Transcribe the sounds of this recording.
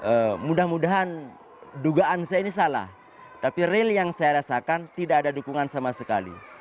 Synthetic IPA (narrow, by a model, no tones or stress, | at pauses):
ʔəmudahmudaɦan | duɡaʔansajainisala̰h | t̪apireljaŋsajaɾasakant̪idakadadukuŋansamasəka̰lḭ